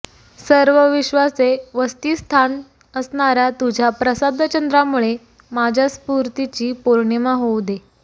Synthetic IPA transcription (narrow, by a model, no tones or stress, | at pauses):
səɾʋəʋiɕʋaseʋəst̪iːst̪ʰan | əsɳaɾjat̪ud͡ʑʱjapɾəsad̪ʱət͡ɕənd̪ɾamuɭe | mad͡ʑʱjaspuɾt̪it͡ɕiːpoɾɳemaɦowd̪e